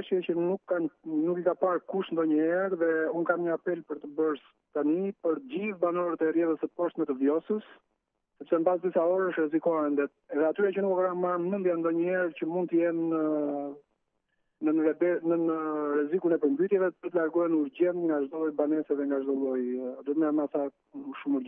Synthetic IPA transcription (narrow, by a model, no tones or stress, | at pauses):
ʃjɛcənukːannukikapaɾkuʃt̪nd̪ɔɲəhɛɾðɛunkamɲəapɛlpəɾt̪əbəɾs | t̪anipəɾɟivbanɔɾət̪ɛrjɛðəsəpɔʃt̪mɛt̪əvjɔsəs | sɛpsɛməbasd̪isaɔɾəʃrɛzikɔɛnd̪ɛt̪̚ɛðɛat̪yɾat͡ɕənukɔkɾamaɾmənd̪jand̪ɔɲəhɛɾcəmund̪t̪əjɛnə | əɾɛbɛnənəɾɛzikunɛpəɾmbyt̪jɛvɛpəɾt̪əlaɾɡɔjɛnuɾɟɛnt̪ŋɡaʒd̪ɔjbanɛsɛðɛŋɡaʒd̪ɔlˠɔjd̪ət̪mɛamasa | ʃumuɾɟɛ